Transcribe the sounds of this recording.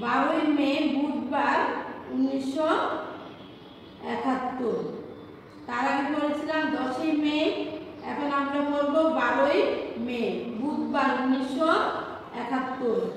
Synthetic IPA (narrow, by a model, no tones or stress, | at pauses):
baɾojmebut̪baɾunːiʃːo | ɛ̰kʰat̪ːoɾ | t̪aɾamipoɾet͡ɕʰilamd̪ɔʃejme | ɛ̰kʰonamɾabolbobaɾojmebut̪baɾunːiʃːo | ɛkʰat̪ːoɾ